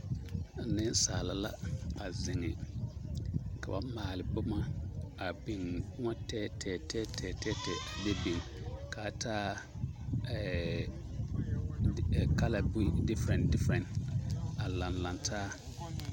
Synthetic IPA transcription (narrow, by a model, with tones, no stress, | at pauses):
nɪ̃˦n˦saː˨la˨la̰˦a˨zɪ˨ŋɪ˨ | ka˨ba˨˦maː˨lɪ˨bʊ˦ma˨a˨bi˨ŋ˦ŋɔ˦tɛ˦tʰɛː˨tʰɛː˦tʰɛː˨tɛ˦tɛ˨de˦bi˨ŋkaː˨tʰaː˦ | ɛ˨ | ka˦la˨bi˦dɪ˦fɾɛ̃˨ndɪ˦fɾɛ̃˨n | a˨lã˨nlã˨ntʰaː˦